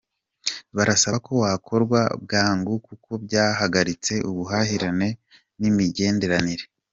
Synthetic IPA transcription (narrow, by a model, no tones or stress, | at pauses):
βaɾasako̞wakʰo̞ɾɡwa̰bɡaːŋɡukuko̞bɟaːɦaɡaɾit͡se̞ʔuβuɦahiɾane̞ | nimiɟe̞ːnde̞ɾaniɾe̞